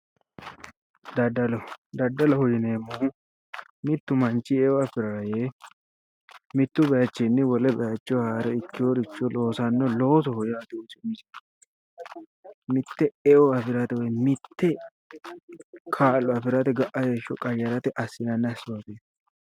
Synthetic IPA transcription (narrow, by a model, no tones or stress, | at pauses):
d̪ɐdɐlɔd̪ɐdːɐlɐhɔjɪneːmːʊ | mɪt̪ːʊmɐnt͡ʃːɪɛɔɐfɪɾaje | mɪt̪ːʊbɐjɐt͡ʃːɛnːɛwɔlɛbɐjɐt͡ʃːɪɔhaːɾɛɪkːɪjoɾɪt͡ʃːɔlo̞ːsɐnːɔloːs̬ɔhɔjaːt̪ɪoːsɪmɪʃɛ̥ | mɪt̪ːɛɛʔɔɐfɪɾɐt̪ɛwɔjmɪt̪ːɛ | kʰaːlːɔɐfɪɾɐt̪ɛɡɐʔɐjeʃɔkʼɐjɐɾɐt̪ɛʔɐsːɪnɐnːɐsːʊwaːfe